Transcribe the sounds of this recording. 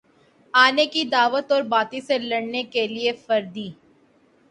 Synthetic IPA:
aːnekid̪aːʋət̪ɔːɾbaːt̪iselɐɽnekeliefɐɾd̪iː

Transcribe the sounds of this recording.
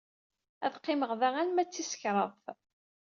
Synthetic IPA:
æ̰ðqːɪməʁðæʁænmæt͡sːisə̥çɾˤəðˤθ

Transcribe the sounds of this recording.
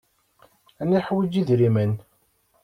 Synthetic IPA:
æniħwid͡ʒiðɾimən

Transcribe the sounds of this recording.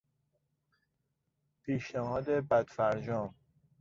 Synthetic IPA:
pʰiːʃnehɒːd̪ebæd̪̥fæɾd͡ʒɒːm

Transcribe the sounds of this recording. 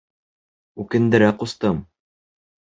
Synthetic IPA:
ukɘ̆nd̪ɘ̆ɾæqust̪ɤm

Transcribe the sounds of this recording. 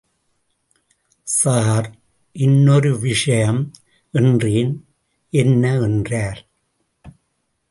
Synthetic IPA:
saːɾ | ʔɪnːɔɾɯʋɪʂɐjɐm | ɛndriːn | ɛnːɐɛndraːɾ

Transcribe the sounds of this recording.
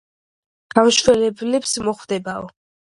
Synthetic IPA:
ɡ̥amʃwɛlɛblɛpsmɔχvd̪ɛbaɔ

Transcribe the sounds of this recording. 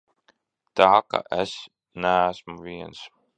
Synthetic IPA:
t̪aka̰ʔes | næːæsmuviɛns

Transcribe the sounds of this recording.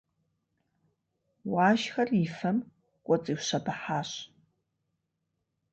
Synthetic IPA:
waːʒxɐrifɐm | kʷʼɔt͡sʼiːwɕɐbɐħaːɕ

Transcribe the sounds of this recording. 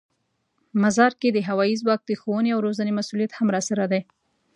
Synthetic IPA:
mazɑɾked̪əɦawɑizwɑk̚d̪əxowəneawɾozanemasulijat̪hamɾɑsaɾad̪aj

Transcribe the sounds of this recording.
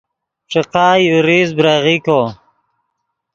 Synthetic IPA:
ʂiqɑːjuɾizbɾaʁiko

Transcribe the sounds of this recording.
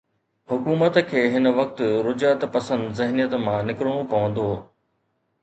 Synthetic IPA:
hʊkuːmət̪kʰeːɦɪnəʋɐk̚t̪ɾʊd͡ʑaːt̪pɐsə̃nd̪zɪɦnijət̪mãnɪkɪɾɽ̃õpɐʋə̃nd̪oː

